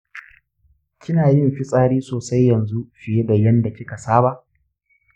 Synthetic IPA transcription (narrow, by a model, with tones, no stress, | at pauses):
kʲɪ˦naː˨jɪ˦mɸi˦sʼaː˦ɽiː˦soː˨sa˦jːɐ˨nzu˦ʃɪ˨je˦da˨jɐ˦nda˨kʲɪ˦ka˨saː˦ba˦ʔ